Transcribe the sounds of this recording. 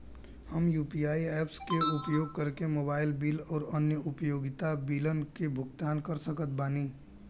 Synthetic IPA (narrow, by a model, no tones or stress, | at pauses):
həmjuːpiaːieːpskeʊpjoːɡ̚kəɾkemoːbaːɪlbiːlɔːɾənjəʊpjoːɡɪt̪abiːlənkebʱʊɡt̪aːnkəɾsəkət̪̚baːniː